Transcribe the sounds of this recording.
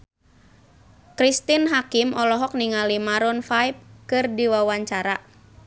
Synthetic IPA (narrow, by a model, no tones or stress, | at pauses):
kɾist̪inɦakimʔɔlɔɦɔk̚niŋalimaɾɔnfajp̚kɨrdiwawaɲt͡ʃaɾa